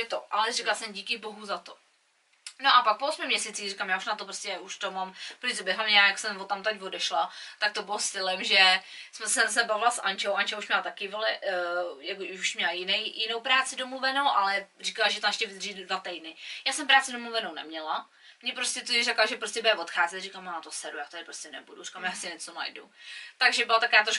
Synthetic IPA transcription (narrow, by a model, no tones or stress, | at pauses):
ʒɛt̪oʔa̰lɛrikalasɛmɟiːkɪboɦuzat̪o | noʔapak̚poʔosmɪmɲɛsiːt͡siːxrikamjaːuʃnat̪opɾoscɛuʃt̪omampoizobjɛɦlamɲɛjaːjaksɛmvot̪amt̪acvodɛʃlat̪ak̚t̪obɪlost̪ɪlɛmʒɛ | smɛsɛsɛbavɪlasʔa̰nt͡ʃowʔant͡ʃɛuʃmɲɛlat̪akɪvolɛjakouuʃmɲɛlajɪnɛjjɪnowpɾaːt͡sɪdomluvɛnowʔalɛriːkalaʒɛt̪amɛʃcɛvɪd̪riːddvat̪ɛjdnɪjaːsɛmpɾaːt͡sɪdomluvɛnownɛ̰mɲɛla | mɲɛpɾoscɛt̪oɪrɛklaʒɛpɾoscʲɛbɛvo̞t̪xaːzɛt̪riːkalmat̪osɛdujaːt̪adɪpɾoscɛnɛ̰buduri̥kamjaːsɪɲɛt͡sona̰jdṵt̪aɡʒɛbɪlat̪akovaːt̪ɾoʃ